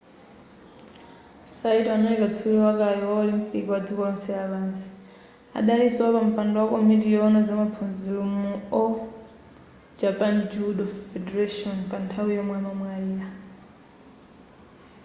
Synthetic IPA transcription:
saitɔanalikat͡sʰuwɔwakajiwaɔlim̩pʼikiwad͡zukɔɔnsɛaβansi̥ | a̰ɗaliswapam̩pandɔwakɔmitijɔɔnad͡zamapʰund͡zilumuɔ | d͡ʒapand͡ʒudɔfɛdɛɾaʃɔnpantʰawijɔmwamamwaiːja

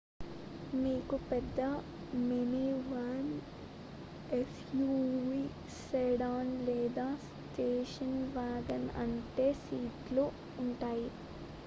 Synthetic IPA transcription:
miːkupɛd̪ːɐ | meniʋɐn | es | juːʋiː | sɛɽaːnlɛːd̪aːs | ʈeːʃɐnʋaːɡɐnɐ̰ɳʈe̞ːsiːʈluː | ɳʈaːji

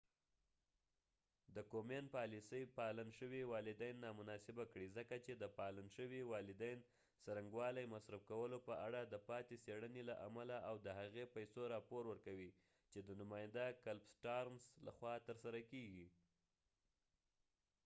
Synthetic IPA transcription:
d̪əkomenpɑlisəjpɑlanʃəwiwɑlɪd̪ajnːɑmʊnɑsɪbakɽizəkat͡ʃed̪əpɑlanʃəwiwɑlɪd̪ajn | saɾaŋɡwɑlajmasɾafkawəlopəʔaɽad̪əpɑt̪eseɽənelaʔamalaʔawd̪əɦaɣepajsoɾɑpoɾwəɾkawi | t͡ʃed̪ənʊmɑjɪnd̪akalbsʈɑɾmsla̰xwɑt̪əɾsaɾakeɡi

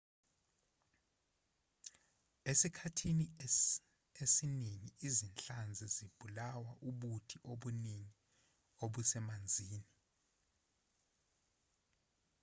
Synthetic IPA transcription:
esikʰatʰini | esiniŋiizint͡ɬand͡zʱɛzib̥ʱulawaʔuɓutʰiʔoɓuniŋi | oɓusɛmand͡zʱiːni

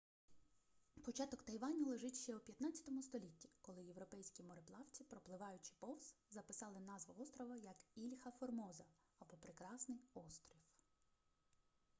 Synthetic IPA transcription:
pɔt͡ʃɑt̪ɔkt̪ɐjʋɑnʲɔlˠeʒɪtʲʃt͡ʃɛupʲjɐt̪nɑt͡sʲːɐ̥t̪ɔmʊst̪ɔlʲitʲːi̥kɔlˠɪjewɾɔpɛjsʲkʲimɔɾeplˠɑwt͡sʲipɾɔplˠɪʋɑjʊt͡ʃɪ̥pɔwszɐpɪsɑlˠɪnɑzʋɐɔst̪ɾɔʋɐjɐkilʲxɐfɔrmɔzɐ | ɐbɔpɾɪkɾɑsnɪjɔst̪ɾʲiw

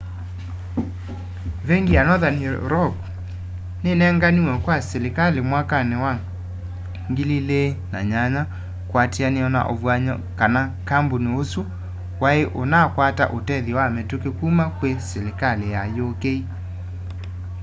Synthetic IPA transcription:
vɛŋɡianɔðanɾɔɡ | nenɛŋɡaniwɛkwasɛlekalemwakanewa | ŋɡililena̰ɲaɲa | kwatianeɔna̰ʔovwaɲɔ̰kanakamboneosu | waeʔonakwata̰ʔotɛðiwamɛtukekumakwesɛlekalejajokei

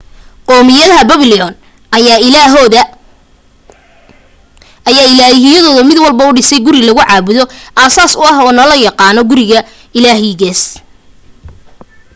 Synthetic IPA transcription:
qɔːmɪjɐðɐɦɐbɐβɪlɪɔn | ɦ | jaːɪlaːɦɪjɐðɔːðɐmɪd̪wɑlbɐʊɖɪsɛjɡʊɾɪlɐɣʊʕɑːβʊðɔʔaːsaːsʊɑɦɔːnɐlɐjɑqɑːnɔɡʊɾɪɣɐ | ɪlaːɦɛjɣɛːs

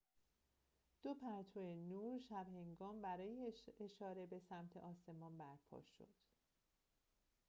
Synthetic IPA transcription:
d̪̥opʰæɾt̪ʰoenuːɾʃæbhe̞ŋɡɒːmbæɾɒːjeeʃɒːɾe̞be̞sæmt̪ʰe̞̰ʔɒːse̞mɒːnbæɾpʰɒ̰ːʃo̞̰d̪̥

